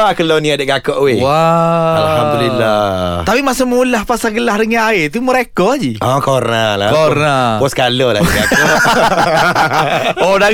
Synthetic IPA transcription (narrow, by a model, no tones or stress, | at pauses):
akəloniadəʔɡakɔʔwewaalhamd̪ulilːat̪apimasəmulahpasaɡəlahdəŋãnaɪt̪uməɾekɔad͡ʒiʔɔkornalakonapɔskalɔla̰ɡakɔʔ | ɔda